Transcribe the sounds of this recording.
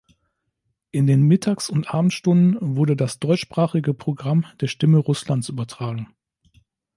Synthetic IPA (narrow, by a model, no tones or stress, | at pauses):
ʔɪndeːnmɪtʰaːksʊntʔaːbm̩tʃtʊndn̩vʊɐdədasd̥ɔʏt͡ʃʃpʁ̥aːχɪɡəpʁ̥oɡʁamd̥eːɐʃtɪməʁʊslantsʔyːbɐtʁ̥aːɡŋ̩